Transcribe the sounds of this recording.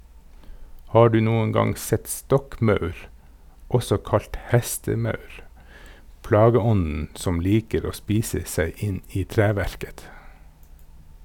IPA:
ˈhɑː ˈɖʉː ˈnuːən ˈɡɑŋ ˈsɛt ˈstɔkˌmɑʉɾ ˈɔsɔ ˈkɑlt ˈhɛstəˌmɑʉɾ ˈplɑːɡəˌɔnn̩ ˈsɔm ˈliːkəɾ ˈoː ˈspiːsə ˈsæɪ ˈɪn ˈiː ˈtɾæːʋæɾkət

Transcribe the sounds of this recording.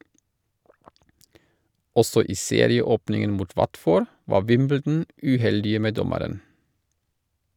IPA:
ˈɔsɔ ˈiː ˈseːɾɪəˌoːpnɪŋən ˈmuːt ˈʋɑtˌfoːɾ ˈʋɑː ˈʋɪmbəldn̩ ʉːˈhɛldɪə ˈmeː ˈdɔməɾən

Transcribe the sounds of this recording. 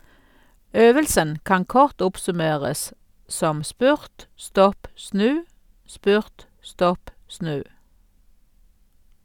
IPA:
ˈøːʋəlsən ˈkɑŋ ˈkɔʁt ˈʊpsʉˌmeːʁəs ˈsɔm ˈspʉʁt ˈstɔp ˈsnʉː ˈspʉʁt ˈstɔp ˈsnʉː

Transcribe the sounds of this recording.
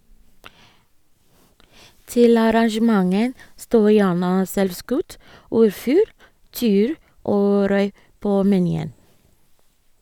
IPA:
ˈtɪl ɑɾɑŋʃəˈmɑŋən ˈstoː ˈjæːɳə ˈsɛlʋˌskʉt ˈɔɾˌfʉːl ˈtiːʉːɾ ˈʔoː ˈɾœʏ ˈpoː mɛˈnyːən

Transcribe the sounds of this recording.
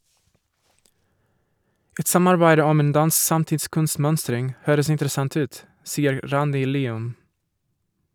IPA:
ˈɛt ˈsɑmɑɾbæɪdə ˈɔm ˈeːn ˈdɑns ˈsɑmtɪtˌskʉnˌsmœnstɾɪŋ ˈhøːɾəs ɪntɾəˈsɑnθ ˈʉːt ˈsiːəɾ ˈɾɑndɪ ˈliːʉm

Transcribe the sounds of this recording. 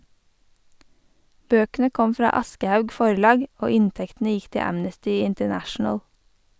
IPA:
ˈbøːkənə ˈkɔm ˈfɾɑː ˈɑskəhɑʉɡ ˈfɔɾlɑːɡ ˈoː ˈɪntɛktn̩ə ˈjɪk ˈtɪ ˈæmnəstʏ ɪntəˈnæʃn̩əl

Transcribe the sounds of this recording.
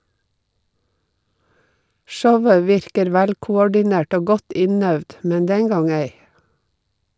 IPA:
ˈʃɔʋə ˈʋɪɾkəɾ ˈʋælkʊˌɔɖɪˌnæʈ ˈoː ˈɡɔt ˈɪnœʋd ˈmɛn ˈdɛŋ ˈɡɑŋ ˈeɪ

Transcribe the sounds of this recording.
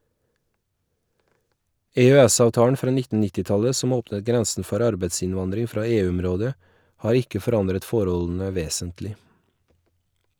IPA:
ɛœˈæsɑʋˌtɑːəɳ ˈfɾɑː ˈnɪtn̩ ˈnɪtɪ ˈtɑlə ˈsɔm ˈoːpnət ˈɡɾɛnsn̩ ˈfɔɾ ˈɑɾbeɪsɪnˌʋɑndɾɪŋ ˈfɾɑː ˈeːˌʉɔmˌɾoːdə ˈhɑːɾ ˈɪkə fɔˈɾɑndɾət ˈfɔɾɔln̩ə ˈʋeːsəntlɪ

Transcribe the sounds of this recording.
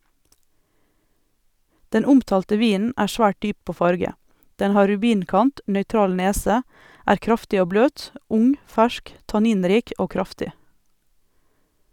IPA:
ˈdɛn ˈʊmtɑːltə ˈʋiːnn̩ ˈæːɾ ˈsʋæːʈ ˈdyː ˈpoː ˈfɑɾɡə ˈdɛn ˈhɑː ɾʉˈbiːnˌkɑnt nœʏˈtɾɑːl ˈneːsə ˈæːɾ ˈkɾɑftɪ ˈoː ˈbløːt ˈʊŋ ˈfæʃk tɑˈniːnˌɾiːk ˈoː ˈkɾɑftɪ

